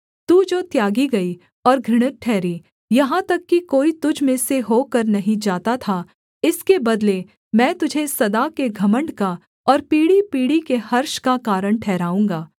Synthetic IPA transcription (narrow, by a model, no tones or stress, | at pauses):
t̪uːd͡ʒoːt̪jaːɡiɡɐi | ɔːɾɡʱɪɽ̃ət̪̚ʈʰːɛːɾi | jɐɦãt̪ɐkːikoːit̪ʊd͡ʒʱmẽseɦoːkɐɾnɐɦĩd͡ʒaːt̪at̪ʰa | ɪskebɐd̪le | mɛ̃ːt̪ʊd͡ʒʱesɐd̪akeɡʱɐmə̃ɳɖka | ɔːɾpiːɽipiːɽikehɐɾʃkakaːɾəɳ̃ʈʰɛːɾaːũːŋɡaː